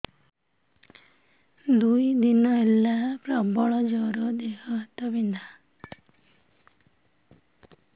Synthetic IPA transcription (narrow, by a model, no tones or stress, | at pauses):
d̪ujd̪inɔelːapɾɔbɔɭɔd͡ʒɔɾɔd̪eɦɔt̪ɔbind̪ʱa